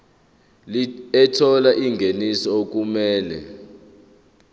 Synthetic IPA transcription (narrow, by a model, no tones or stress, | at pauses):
ɛtʰɔlaʔiŋɡʱenisɔok̬umɛːlɛ̰